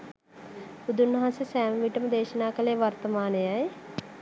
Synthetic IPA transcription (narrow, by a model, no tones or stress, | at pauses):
ud̪unːɐɦãnsɐsɛːmɐʋiʈɐmd̪eːʃɐnaːkɐleːʋɐɾt̪ɐmaːnɐjaj